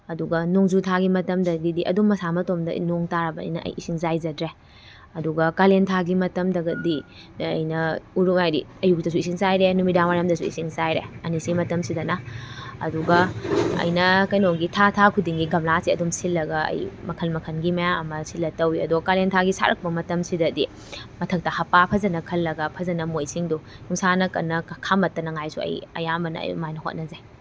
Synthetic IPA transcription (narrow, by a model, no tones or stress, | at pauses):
ɐduɡɐnoŋzutʰaɡimɐtɐmdɐdidiʔɐ̰dumːɐsamɐtomdɐ̰noŋtaɾɐbɐɐ̰jnɐʔɐ̰jʔisiŋzajzɐdɾe | ɐduɡɐkalentʰaɡimɐtɐmdɐɡɐdḭː | jnɐuɾuŋajɾḭɐjuk̚dɐs̬uisiŋzajɾenumidaŋmajɐmdɐsuḭsiŋzajɾḛɐnisimɐtɐmsidɐnɐɐ̰duɡɐɐ̰jnɐkɐjnoŋɡitʰatʰakʰudiŋɡiɡɐmlasiɐdumsilːɐɡɐɐ̰jmɐkʰɐlmɐkʰɐnɡimɐjaɐ̰mɐsilːɐtɐwiɐ̰duɡɐkalentʰaɡisa̰ɾɐk̚pɐmɐtɐmsidɐdi | mɐtʰɐk̚tɐhɐpapʰɐzɐnɐkʰɐlːɐɡɐpʰɐzɐnɐmojsiŋdu | nuŋsanɐkɐnːɐkʰamɐtːɐnɐŋajsuɐ̰jɐ̰jambɐnɐ̰j̰majnɐɦo̰t̚nɐze